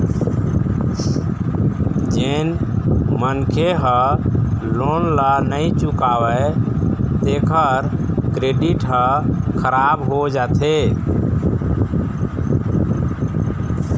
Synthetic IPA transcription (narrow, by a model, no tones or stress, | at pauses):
d͡ʒenmənkʰeɦə̃ | lonlənəjt͡ʃukawə | t̪ekʰəɾkɾeɖiʈɦə̃kʰəɾabɦod͡ʒat̪ʰe